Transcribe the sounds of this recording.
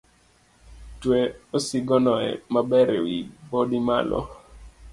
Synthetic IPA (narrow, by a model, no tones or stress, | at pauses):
tweosɪɡɔnɔɛ̰mabɛɾewibodima̰lɔ̰